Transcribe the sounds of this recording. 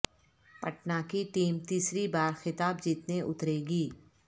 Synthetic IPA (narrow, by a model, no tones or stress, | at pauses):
pɐʈnaːkiʈiːmt̪iːsɾibaːɾxɪt̪aːbd͡ʒɪt̪neʔʊt̪ɾeːɡiː